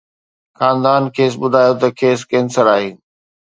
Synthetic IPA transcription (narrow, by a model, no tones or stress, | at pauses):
xaːnd̪aːnkʰeːs̬ɓʊd̪ʱaːjot̪ɐkʰeːskẽːnsəɾaːɦeː